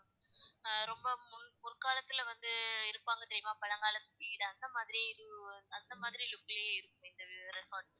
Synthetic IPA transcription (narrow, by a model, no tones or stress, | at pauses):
ɾɔmbɐmʊnpʊɾɯkaːlɐt̪ːɪlʋɐnd̪ɯɪɾɯpːaːŋɡɐt̪ɪɾɪjmaːpɐɻɐŋɡaːlɐt̪ːɯ̥piːɪɽɐɐnd̪ɐmaːðɪɾiɪðɯɐnd̪ɐmaːðɪɾilʊkːɐlɪɪɾɯkːɯmɪnd̪ɐɾɛsoːɾʈs